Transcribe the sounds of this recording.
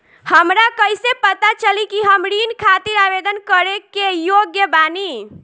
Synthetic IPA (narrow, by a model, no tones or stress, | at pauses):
həmɾakəjsepət̪at͡ʃəlikiɦəmɾinkʰat̪iɾabed̪ənkəɾekejoɡjəbani